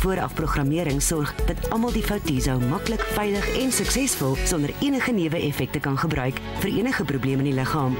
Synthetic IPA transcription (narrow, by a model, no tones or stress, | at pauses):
fuəɾɐ̰fproχrɐmiəɾəŋsɔrχd̥ɐtɐmɐlˠdifɐwtizɐwmɐkləkfɛjləχɛnsəksɛsfɔlˠsɔndəriənəχəniəvəʔɛfɛk̚təkɐnχəbrœɥk | fəɾiənəχəprubliəməniləχɑːm